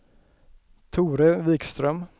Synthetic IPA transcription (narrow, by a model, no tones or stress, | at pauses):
t̪ʰuːɾəviːkst̪ɾœm